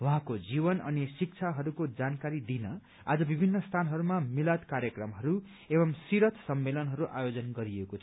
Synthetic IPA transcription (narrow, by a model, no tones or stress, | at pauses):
waɦãkod͡zibʌnʌ̰nisik̚t͡sʰaɦʌɾukod͡zankaɾid̪inʌ | a̰d͡zʌbibʱinːʌst̪ʰanɦʌɾumamilat̪kaɾjʌkrʌmɦʌɾu | ebʌmsiɾʌt̪ʰsʌmːelʌnɦʌɾuʔajod͡zʌnɡʌɾiekot͡sʰ